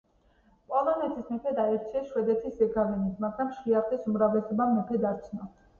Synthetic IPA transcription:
pʼɔlˠɔnɛt̪ʰismɛpʰɛd̪aɛɾt͡ʃʰiaʃwɛd̪ɛt̪ʰisɛɡʰavɛnismaɡɾamʃɾiaχt̪ʼisumɾavlɛsɔbamɔpʰɛd̪aɾt͡ʃʰnɔ

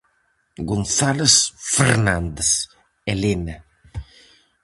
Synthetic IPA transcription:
ɡonθalesfeɾnand̪es | elina

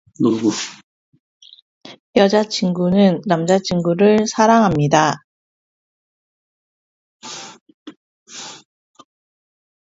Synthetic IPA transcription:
nomɡu | jʌd͡ʑat͡ɕʰinɡunɯnːamd͡ʑat͡ɕʰiŋɡuɾɯɭsʰaɾaŋɦamɲida

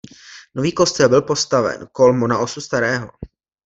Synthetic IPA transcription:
no̞viːko̞st̪ɛlbɪlpo̞st̪avɛ̰nko̞lmonaʔosust̪aɾɛːɦo

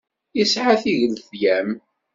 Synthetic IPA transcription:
isʕaθiʝəlðjæm

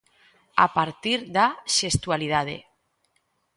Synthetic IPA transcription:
a̰paɾt̪iɾd̪aʃest̪ualið̞að̞ḛ

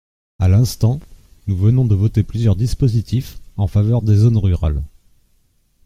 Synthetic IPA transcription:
alɛ̃st̪ɑ̃ | nuvənɔ̃d̪əvɔt̪eplyzjœʁd̪ispozit̪ifɑ̃favœʁd̪ezonʁyʁa̰l

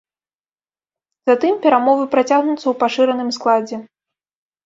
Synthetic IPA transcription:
zat̪ɨmpʲɛɾamɔvɨpɾat͡sʲaɣnut̪sːɐwpaʂɨɾɐnɨmsklˠad͡zʲɛ

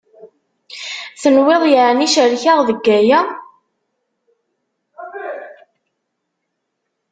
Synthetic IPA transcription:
θənweðˤjəʕniʃəɾçaʁðəɡːæjæ

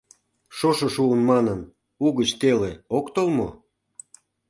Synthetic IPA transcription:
ʃoʃoʃuənmɑnən | uɣət͡ɕt̪eleokt̪olmo̰

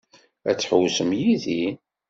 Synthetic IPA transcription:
æt͡sːħəwsəmjiði

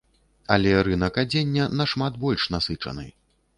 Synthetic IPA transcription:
ɐlʲɛɾɨnɐkad͡zʲenʲːɐnɐʂmat̪bɔlʲʂnasɨt͡ʂɐ̰nɨ̰

